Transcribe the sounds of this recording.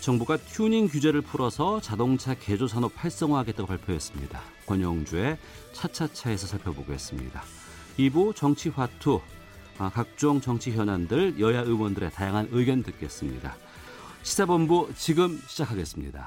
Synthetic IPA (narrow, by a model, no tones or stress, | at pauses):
t͡ɕʌŋbuɡatʰjuɲiŋkjud͡ʑe̞ɾɯɭpʰuɾʌsʰʌt͡ɕadoŋt͡ɕʰake̞d͡ʑosʰanopʰaɭs͈ʌŋɦaɡet͈aɡopaɭpʰjoɦes͈ɯmɲḭda̰ | kwʌɲʌŋd͡ʑue̞ | t͡ɕʰat͡ɕʰat͡ɕʰae̞sʰʌsʰaɭpʰjʌboɡoes͈ɯmɲḭda | ibut͡ɕʌŋt͡ɕʰiɸwatʰu | kak̚t͡ɕ͈oŋt͡ɕʌŋt͡ɕʰiçjʌnandɯɭjʌjaɯwʌndɯɾe̞tajaŋɦanɯɡjʌntɯk͈e̞s͈ɯmɲḭda̰ | ɕʰi̥sʰebʌmbut͡ɕiɡɯmɕʰid͡ʑakʰaɡe̞s͈ɯmɲḭda̰